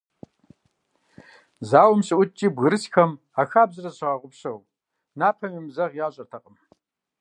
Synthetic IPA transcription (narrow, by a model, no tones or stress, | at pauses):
zaːwʊmɕʼɨʔʷʊt͡ʃʼiːbɣɨɾɨsxɐm | axaːbzɨrɐɕɪʁɐʁʷʊpɕɐw | naːpʰɐmimzɐʁjaːɕʼɐrtʰɐqʼəm